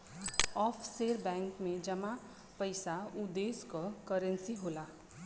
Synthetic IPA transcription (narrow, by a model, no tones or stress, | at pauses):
ɔːpʰseːɾbɛ̃ːŋkmẽd͡ʒəmã | pəɪsaud̪eːskɔkəɾə̃nsiɦoːla